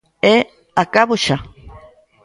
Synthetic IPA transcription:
e | akaβuʃa

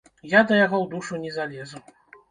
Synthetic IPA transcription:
jad̪ɐjaɣɔwd̪uʂunʲɛzalʲɛzu

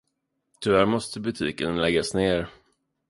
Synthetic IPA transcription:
t̪ʰʏvæːɾmɔst̪əbɵt̪ʰiːkənlɛɡasneːɾ

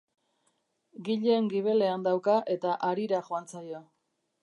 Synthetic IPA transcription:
ɡiʎeːŋɡiβ̞e̞le̞and̪awkaʔe̞t̪aʔaɾiɾaʝoant͡sajo̞

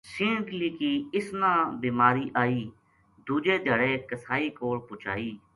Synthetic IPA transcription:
sĩːɡliːkiːɪsnãːbiːmaːɾiːʔaːiː | d̪uːd͡ʒeːd̪ʱəɽeːkəsaːiːkoːɽpʊt͡ʃa̰ːiː

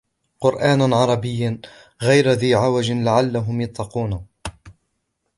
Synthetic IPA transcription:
qʊɾʔaːnʕɑɾˤɑbɪjː | ɣajɾaðiːʕawad͡ʒlaʕalːaɦʊmjɑt̪ˤːɑquːn

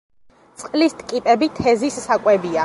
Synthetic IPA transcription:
t̪sʼqʼlist̪ʰʼkʼipʼɛbit̪ʰɛzisːakʼwɛbia

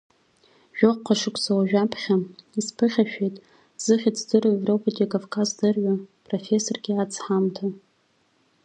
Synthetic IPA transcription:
ʒᶣoqqʷʰːaʂɨkʷʰʼzawaʒᶣapʰχʲaispʰɨχʲaʃᶣejtʼ | z̥ɨχʲit͡sʰdɨrevro̞pʰatʼikʼavkʰʼazdɨrɥʷapʰʼrofe̞so̞rɡʲɪat͡sʰħamtʰa

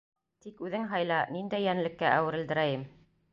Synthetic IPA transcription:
t̪ikʉðɘŋɦɑjlˠɑnind̪æjːænlɘ̆kːæʔæwɘ̆ɾɘ̆ld̪ɘ̆ɾæjɘm

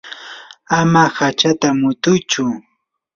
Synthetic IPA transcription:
amahat͡ʃat̪amʊt̪ʊjt͡ʃʊ

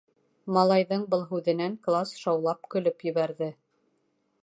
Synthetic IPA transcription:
mɑlˠɑjðɤɴbɤlˠɦʉðɘ̆næŋklˠasʃɑwlˠɑp̚kɵ̆lɵpjɵ̆βæɾðɘ

